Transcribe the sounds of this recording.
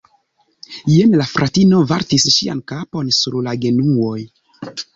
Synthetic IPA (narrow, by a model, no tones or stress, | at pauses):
jenlafɾʔatinovaɾtisʃḭa̰nkapo̞nsuɾlaɡe̞nuo̞j